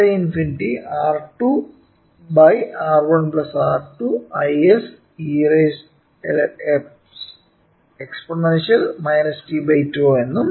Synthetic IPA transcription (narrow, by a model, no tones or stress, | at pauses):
ɐinfinʈiaːrʈu | bɐjaːrʋɐɳplɐsaːrʈuɐjes | ires | ḛlep | s | eksponɐnʂɐlmɐjnɐsi̥tibɐjtːoːe̞nːum